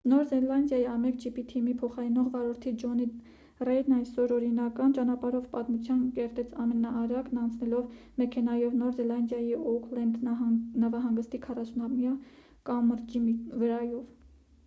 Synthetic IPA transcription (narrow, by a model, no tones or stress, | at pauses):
nɔɾzɛlɑnd̪jɑjiɑmɛk̚d͡ʒipit̪ʰimipʰɔχɑɾinɔʁvɑɾɔɾt̪ʰid͡ʒɔni | rɛnɑjsɔɾɔɾinɑkɑnt͡ʃɑnɑpɑɾɔvpɑt̪mut͡sʰjɑnkɛɾt̪ɛt͡sʰɑmɛnɑʔːɾɑknɑnt͡sʰnɛlɔvmɛkʰɛnɑjɔvnɔɾzɛlɑnd̪jɑjiɔkʰlɛnd̪nɑvɑɦɑŋɡəst̪ikʰɑrɑsunɑmjɑ | kɑmːəɾd͡ʒimivəɾɑjɔv